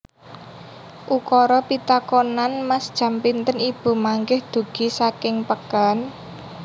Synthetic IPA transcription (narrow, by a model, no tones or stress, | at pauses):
ʔukɔɾɔpit̪akonanmasd̥ʒ̥ä̤mpint̪ənib̥ṳmaŋɡɪhd̪̥o̤ɡ̥i̤sakɪŋpəkan